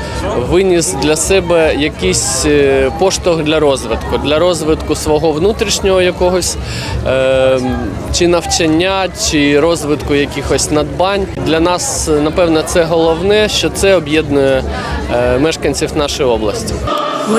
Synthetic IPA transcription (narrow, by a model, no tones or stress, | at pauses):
ʋɪnʲisd̪lʲɐsɛbɛjɐkɪjsʲpɔʃt̪ɔɣd̪lʲɐɾɔzʋɪt̪kʊd̪lʲɐɾɔzʋɪt̪kʊsʋɔɦɔʋnut̪ɾʲiʃnʲɔɦɔjɐkɔɦɔsʲ | t͡ʃɪnɐwt͡ʃɐnʲːat͡ʃɪɾɔzʋɪt̪kʊjɐkʲixɔsʲnɐd̪bɑnʲd̪lʲɐnɑsnɐpɛwnɔt̪sɛɦɔlˠɔwnɛʃt͡ʃɔt̪sɛɔbʲjɛd̪nʊjɛ | mɛʃkɐnʲt͡sʲiwnɑʃɔjɔblˠɐsʲtʲi̥